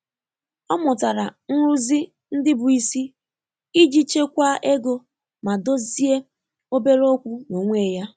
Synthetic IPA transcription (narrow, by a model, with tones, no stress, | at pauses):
ɔ˦mʊ˨ta˨ɾa˨n̩˦ɾu˦zi˦ | n̩˦dɪ˦bʊ˨i˨si˦ | i˦d͡ʒi˨t͡ʃe˦kʷa˦ʔe˦ɡo˦ | ma˨do˦zi˦e˦ | o˦be˦ɾo˦kʷu˦no˨ŋʷe˦˨ja˦